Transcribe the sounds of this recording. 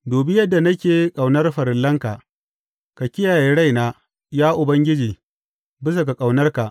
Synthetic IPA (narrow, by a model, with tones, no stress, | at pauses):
doː˨bɪ˦jɐ˦dːa˨nɐ˦kʲeː˨˦kʼa˨wnɐ˦rɸɐ˨ɾɪ˨lːɐ˦ŋka˨ʔ | ka˨kʲɪ˦jaː˨jeː˦ɽa˦jnaː˦ | jaː˦ʔʊ˨bɐ˦ŋɡʲɪ˦d͡ʒiː˨ | bɪ˦s̬a˨k̬a˨kʼa˨wnɐ˦rka˨ʔ